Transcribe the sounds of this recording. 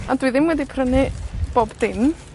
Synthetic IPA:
adwɨðɪmwɛdipʰrənɨb̥oːbdɪm

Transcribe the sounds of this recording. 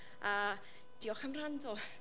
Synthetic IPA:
a | d̥iɔχəmr̥andɔ

